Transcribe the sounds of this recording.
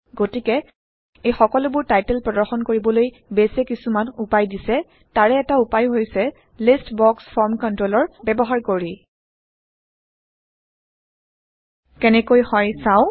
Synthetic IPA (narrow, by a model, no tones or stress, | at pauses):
ɡotikɛ | ejxɔkɔlʊbʊɹtajtɛlpɹɔdɔɹxɔnkoɹibɔloj | besɛkisumanupajdisɛ | taɹɛːtaupajɦojsɛ | listbɔksfʰɔɹmkɔntɹolɔɹbɛbɔɦaɹkoɹi | kɛnɛkojhɔjsãʊ̃